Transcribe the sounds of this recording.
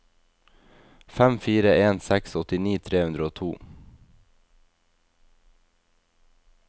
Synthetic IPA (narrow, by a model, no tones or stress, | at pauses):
fæmfiːɾəeːnsɛksɔt̪ɪniːt̪ʰɾeːhʉnɾəoːt̪ʰuː